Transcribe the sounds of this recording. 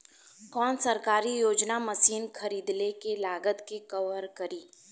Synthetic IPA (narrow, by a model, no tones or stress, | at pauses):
kɔːnsɐɾkaːɾijoːd͡ʒnamɐsiːnxɐɾiːd̪lekelaːɡət̪kekɐʋəɾkɐɾiː